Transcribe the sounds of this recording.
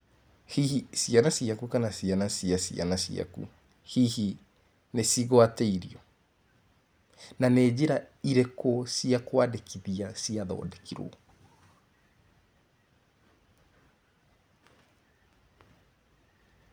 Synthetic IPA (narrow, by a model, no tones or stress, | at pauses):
hiisianasiakukanasianasiasia̰nasia̰kṵ | hihi | nesiɣwateiɾiɔ | naned͡ʑeɾa | iɾekɔsiakwadekiðiasiaðɔ̰ːdɛkiɾo̰